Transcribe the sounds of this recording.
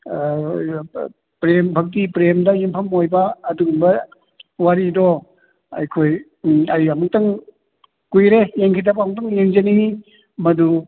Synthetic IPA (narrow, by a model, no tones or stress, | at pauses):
pɾembʱɐk̚tipɾemdajimpʰɐmːojbaːdumba | waɾidɔ | a̰jkʰoj | ajamuŋtaŋ | kujɾejeŋkʰidabamuŋtaŋjeŋzeni | mɐdu